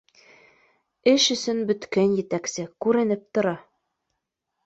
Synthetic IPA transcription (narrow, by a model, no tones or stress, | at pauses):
ɘʃɵ̆sɵnbɵ̆t̪kænjɘ̆t̪æksɘkʉɾɘ̆nɘp̚t̪ŏɾɑ